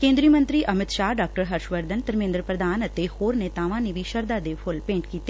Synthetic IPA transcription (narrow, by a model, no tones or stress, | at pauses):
kẽːnd̪ɾiːmə̃nt̪ɾiʔɐmɪt̪ʃaːɖaːk̚ʈəɾɦɐɾʃʋəɾd̪ənt̪əɾmẽːnd̪ɾəpɾəd̪aːnət̪ehoːɾnet̪aːʋãneʋiʃəɾd̪aːd̪eːpʰʊlpẽːɳʈkiːt̪ːe